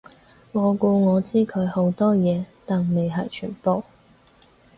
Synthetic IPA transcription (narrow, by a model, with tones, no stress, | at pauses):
ŋɔː˨˧ku˧ŋɔː˨˧t͡siː˥kʰɵ˨˧˥ɥho˨˥wt̪ɔː˥jɛː˨˧t̪aː˨˩nme˨jɦɐ˨˩jt͡ʃʰy̰ː˨˩npo˨w